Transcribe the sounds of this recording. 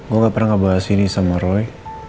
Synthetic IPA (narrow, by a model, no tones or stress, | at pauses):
ɡuaŋɡaʔpərnaŋɡəbaɦasinisaməɾɔj